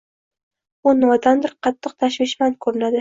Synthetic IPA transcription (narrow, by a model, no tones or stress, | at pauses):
ʊnɒd̪and̪ɪɾqʰɑt̪ʰːɨq̚t̪ʰaʃvɪʃmankʰɵɾɪnad̪ɪ